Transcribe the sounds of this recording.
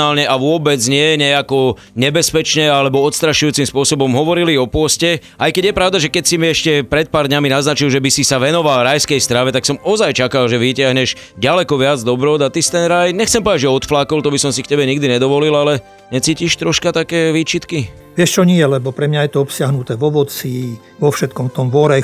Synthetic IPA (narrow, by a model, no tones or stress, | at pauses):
aːlɲɛʔaʋʊɔbɛd͡zɲɪɛɲɛakɔ | ɲɛbɛspɛt͡ʃɲɛalɛbɔɔt̪st̪ɾaʃujuːt͡simspʊɔsɔbɔmɦɔʋɔɾiliɔpʊɔscɛ | ʔajkɛɟjɛpɾaʊd̪aʒɛkɛcsimiɛʃcɛpɾɛt̪̚paːɾd̪ɲaminaznat͡ʃilʒɛbisisaʋɛnɔʋalɾajskɛjst̪ɾaʋɛt̪aksɔmɔzajt͡ʃakalʒɛʋicɪaɦɲɛʒɟalɛkɔʋɪad͡zd̪ɔbɾɔd̪at̪ist̪ɛnɾajɲɛxtt͡sɛmpɔaɟʒɛɔt̪flaːkɔlt̪ɔbisɔmsik̚cɛbɛɲiɡ̚d̪iɲɛd̪ɔʋɔlilalɛ | ɲɛt͡siːciʃt̪ɾɔʃkat̪akɛːʋiːt͡ʃit̪ki | ʋɪɛʃt͡ʃɔɲɪɛlɛbɔpɾɛmɲajɛt̪ɔɔpsɪaɦnut̪ɛʋɔʋɔt͡si | ʋɔfʃɛt̪̚kɔmt̪ɔmʋɔɾɛj